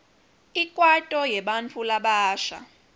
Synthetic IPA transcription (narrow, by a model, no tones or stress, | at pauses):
ikʼwatʼɔjɛɓant͡fʰulaɓaːʃa̰